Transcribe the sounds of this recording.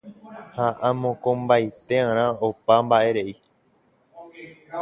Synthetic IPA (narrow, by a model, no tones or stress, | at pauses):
haʔãmõkõmbajt̪eãɾ̃ãopambaʔe̞ɾe̞i